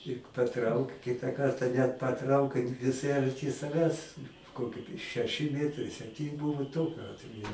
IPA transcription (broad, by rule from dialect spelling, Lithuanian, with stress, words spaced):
ɪ pɐˈtrɐʊk ˈkʲɪtɐ ˈkɐrtɐ nʲɛt pɐˈtrɐʊkɐɪ ʋʲɪˈsɐɪ ɐrʲˈtʲɪ sɐˈʋʲæːs ˈkoːkʲɪ ʃʲɛˈʃʲɪ ˈmʲiɛtrɐɪ sʲɛpʲˈtʲiːn ˈbʊʋʊ ˈtoːkʲʊ ˈɑːtʲʋʲɛjʊ